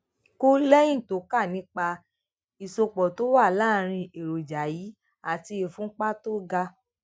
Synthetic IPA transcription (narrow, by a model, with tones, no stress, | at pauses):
ko˦lɛ˦j̃ĩ˦˨to˨˦ka˦˨nĩ˨˦k͡pa˧ | i˨so˧k͡pɔ˨to˦wa˦˨laː˦˨ɾ̃ĩ˧e˨ɾo˨d͡ʒa˨ji˨˦ | a˨ti˧e˨fũ˨˦k͡pa˦to˦ɡa˧